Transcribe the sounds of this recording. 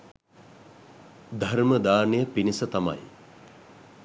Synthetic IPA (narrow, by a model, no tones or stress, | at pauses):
d̪ʱarməd̪aːnəjəpinisət̪ama̰j